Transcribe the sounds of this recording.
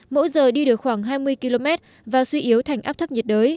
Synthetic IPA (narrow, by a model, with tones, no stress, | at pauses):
mo̰˧˥zəː˨˩ɗi˧ɗɨ˨˩ək̚xwaː˧˩ŋɦaː˧jmɨ˧əjki˧lo˧mɛ˦˥t̚ | vaː˨˩swi˧ʔi˨˦əwt̪ʰa˨˩jŋʔaː˦˥p̚t̪ʰə˦˥p̚ɲə˨˩t̚ɗəː˨˦j